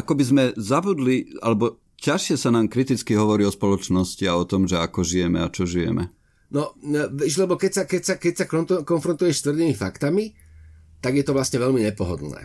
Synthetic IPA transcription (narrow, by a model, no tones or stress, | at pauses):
ʔakɔbizmɛzabud̪lialɛbɔ | caʃɪɛsanaːmkɾit̪it͡skiɦɔʋɔɾiːɔspɔlɔt͡ʃnɔsciaɔt̪ɔmʒɛakɔʒijɛmɛat͡ʃɔʒijɛ̰mɛ̰ | nɔʋɛʒlɛbɔkɛcsakɛcsakɛcsakɔkɔnfɾɔnt̪ujɛʃst̪ʋrd̪imifa̰kt̪ami | t̪aɡjɛt̪ɔʋlasɲɛʋɛlmiɲɛpɔɦɔ̰d̪lnɛ̰ː